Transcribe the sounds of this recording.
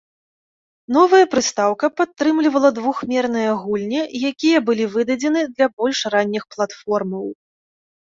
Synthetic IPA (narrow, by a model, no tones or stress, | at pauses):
n̪ɔvɐjɐpɾɨst̪awkɐpat̪ːɾɨmlʲivɐlˠɐd̪vuxmʲɛrnɨjɐɣulʲnʲijakʲijɐbɨlʲivɨd̪ɐd͡zʲɛnɨd̪lʲɐbɔlʲʂranʲːixplˠat̪fɔrmɐw